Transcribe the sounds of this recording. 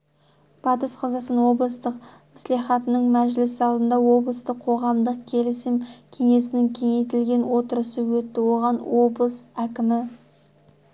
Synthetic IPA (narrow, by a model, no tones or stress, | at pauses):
b̥ɑt̪əsqʰɑzɑsənwo̞blˠəst̪əq | mɪslˠiχɑt̪ənəɴmæʒlɪsɑlˠd̪ənd̪ɑwo̞blˠəst̪əqʰo̞ʁɑmd̪əq̚kʲʰe̞lɪsɪmkʲʰe̞ŋe̞sɪnɪŋkʲʰe̞ŋe̞jt̪ɪlɡʲe̞nwo̞t̪əɾəsəwɵt̪ːɪwo̞ʁɑnwo̞blˠəsækʲɪmɪ